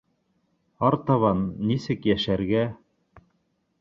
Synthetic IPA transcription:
ɑɾt̪ɑβɑnːisɘkjæʃæɾɡæ

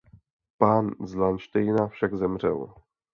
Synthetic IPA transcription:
panzlanʃt̪ɛjnafʂɛɡzɛmʐɛ̰w

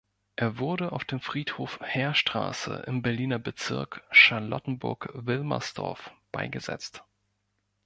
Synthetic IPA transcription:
ʔeːɐvʊɐdəʔaʊfd̥eːmfʁ̥iːthoːfhɛːɐʃtʁ̥a̰ːsə̰ʔɪ̰mbɛɐliːnɐbət͡sɪ̰ɐkʃanlɔtn̩bʊ̰ɐkvɪlmɐ̰sd̥ɔ̰ɐfb̥aɪɡəzɛ̰t͡st

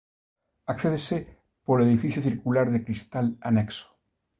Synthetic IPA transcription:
akθeðese | poleðifiθjoθiɾkulaɾðekɾist̪ala̰nekso̥

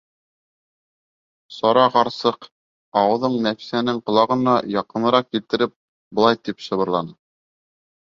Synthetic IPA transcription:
sɑɾɑqɑɾsɤq | ɑwɤ̆ðɤɴnæfi̥sænɘŋqŏlˠɑʁɤ̆nɑjɑqɤ̆nɤ̆ɾɑq̚kilt̪ɘ̆ɾɘp̚ | bŏlˠɑjt̪ipʃɤ̆βɤ̆ɾlˠɑnɤ

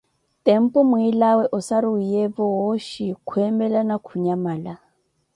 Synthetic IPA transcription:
tɛm̩pʼɔmuilawɛʔɔsaɾiːjɛbɔɦɔʃikʰwɛmbɛlanakʰuɲamaːla

